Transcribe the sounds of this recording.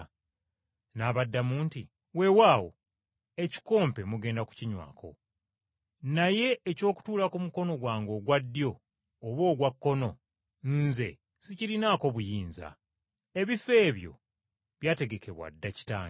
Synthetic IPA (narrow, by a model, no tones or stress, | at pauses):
naːβadːamuːnti | we̞waːwo̞̰ | e̞ci̥ko̞ːmpe̞muɡe̞ːndaku̥ciɲwa̰ːkʰo̞̰ | naje̞ːco̞ːku̥tuːlakumuko̞no̞ɡwaːŋɡo̞ːɡwadːjo̞ː | βwo̞ːɡwakːo̞no̞ | nze̞̰ | siciɾinaːko̞βujiːnza̰ | e̞βife̞ːβjo̞̰ | βjaːte̞ɡe̞ke̞βwa̰dːaci̥ta̰ːŋ